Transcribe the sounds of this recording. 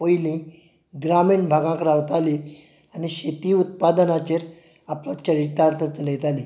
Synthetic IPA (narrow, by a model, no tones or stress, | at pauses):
pojlĩ | ɡɾamiːɳbʱaɡãkɾaʋt̪ali | añiɕet̪iːut̪̚pad̪ənat͡ɕeɾ | aplat͡ɕəɾiʈ̪ːaɾt̪ʰət͡səlet̪ali